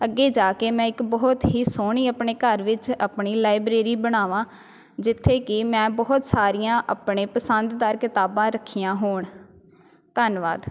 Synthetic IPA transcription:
əɡːeːd͡ʒaːkeːmɛ̃ːɪkbɔːt̪ɦiːsoːɳ̃iːəpɳeːkəɾʋɪt͡ʃapɳiːlaːɪbɾeːɾiːbəɽ̃aːʋãː | d͡ʒɪt̪ʰːeːkɪmɛ̃ːbɔːt̪saːɾijãːʔa̰ːpɳeːpəsənd̪d̪aːɾkɪt̪aːbãːɾəkʰiːjãːɦoːɳ | t̪ənʋa̰ːd̪

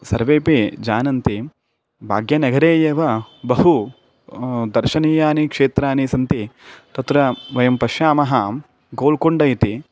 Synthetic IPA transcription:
sɐɾʋeːpid͡ʒaːnɐnt̪i | bʱa̰ːɡjɐnɐɡʱɐɾeːjeːʋɐbɐɦu | d̪ɐɾʃɐniːjaːnikʂeːt̪ɾaːnisɐnt̪it̪ɐt̪ɾɐʋɐjɐmpɐʃjaːmɐɦɐ | ɡoːlkoɳɖɐjt̪i

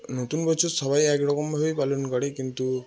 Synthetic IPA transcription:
not̪unbɔt͡ʃʰusɔbajɛkɾɔkɔmɦojpalɔnkɔɽekint̪u

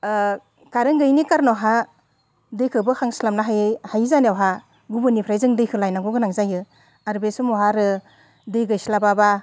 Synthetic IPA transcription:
kaɾɯŋɡɯjnikaɾnɔɦa | dɯjkʰɯbɯkʰaŋslamnaɦahajzaneawɦa | ɡubɯnipʰɾajzɯŋdɯjkʰɯlajnaɡɔɡɯnaŋzajɯ | aɾbesumɔɦaɾɯ | dɯjɡɯjsilababa

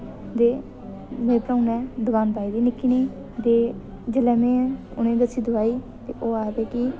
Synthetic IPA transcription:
d̪eː | mẽːpɾãːũnɛ̃ːd̪ʊkaːnpaːiːd̪iːnɪkʰːiːniː | d̪eː | d͡ʒəlɛːmẽːɛʊnẽːd̪əsʰiːd̪ʊaːiː | t̪ḛːʔoːaːbeːki

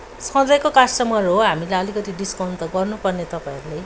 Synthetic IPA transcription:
sʌ̃d͡z̪ʌjkokasʈʌmʌrɦoɦamilaʌlikʌt̪iɖiskawnt̪ʌɡʌrnupʌrnet̪ʌpãẽɾule

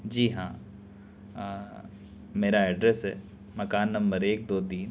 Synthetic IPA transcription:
d͡ʒiːɦãː | meːɾaɛːɖɾɛsɦɛ̰ː | mɐkaːnːɐ̃mbəɾeːk̚d̪oːd̪iːn

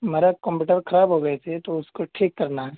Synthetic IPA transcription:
meːɾakɔ̃mpuːʈəbɾxʰɐɾaːbɦoɡɐɛsʰet̪oʊskoʈʰeːkːɐɾnaɦɛ

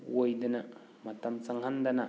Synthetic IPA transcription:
wojdəna | mat̪amt͡saŋɦandana

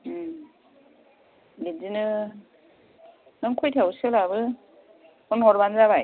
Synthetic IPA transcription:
ɡenzinɯ | nɯŋkʰɔjtʰawsɯlaβɯ | ɔnhɔɾbanzaβaj

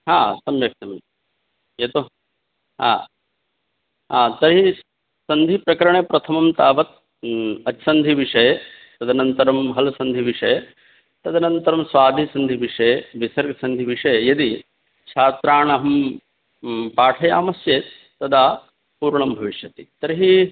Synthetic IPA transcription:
ɦaːsɐmjɐk̚t̪ɐm | eːt̪o | ɦa̰ː | ɦaːt̪ɐɾɦi | sɐnd̪ʱipɾɐkɐɾɐɳeːpɾɐt̪ʰɐmɐmt̪aːʋɐt̪̚ | ɐtsɐnd̪ʱiʋiʂɐjɐ | t̪ɐd̪ʱɐnɐnt̪ɐɾɐmɦɐlɐsɐnd̪ʱiʋiʂɐjɐ | t̪ɐd̪ʱɐnɐnt̪ɐɾɐmsʋaːd̪ʱisɐnd̪ʱiʋiʂɐjeʋisɐɾksɐnd̪ʱiʋiʂɐjɐjɐd̪i | t͡ʃʰaːt̪ɾaːɳɐɦɐm | paːʈʰɐjaːmɐsjeːt̪ːɐd̪aː | puːɾɳɐmbʱɐʋiʃjɐt̪it̪ɐɾɦi

